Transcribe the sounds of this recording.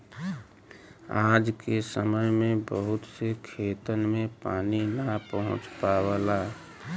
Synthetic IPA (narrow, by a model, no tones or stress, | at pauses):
aːd͡ʒkesəməjmẽbəɦʊt̪sekʰeːt̪ənmẽpaːninəpəɦʊ̰̃t͡ʃpaːwəla